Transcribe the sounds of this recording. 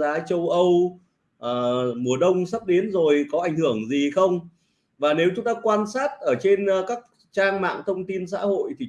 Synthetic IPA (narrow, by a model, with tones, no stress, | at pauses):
aː˨˦t͡ɕə˧wʔə˧w | ʔəː˨˩mu˨˩əɗə˧wŋ͡msə˦˥p̚ɗe˨˦nzo˨˩jkɔ˨˦ʔa˧˩jŋ̟hɨ˧˩əŋzi˨˩xə˧wŋ͡m | vaː˨˩ne˨˦wt͡ɕʊ˨˦ŋ͡mt̪aː˧kwaː˧nsaː˦˥t̚ʔəː˧˩t͡ɕe˧n˧kaː˦˥k̚ | t͡ɕaː˧ŋma̰ː˧˨ŋt̪ʰə˧wŋ͡mt̪i˧nsa̰ː˧˥ho̰˧˨jt̪ʰi˨˩